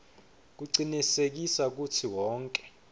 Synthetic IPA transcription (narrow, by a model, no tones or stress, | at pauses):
k̬uǀinisek̬isak̬utʰiwɔːŋkʼɛ̥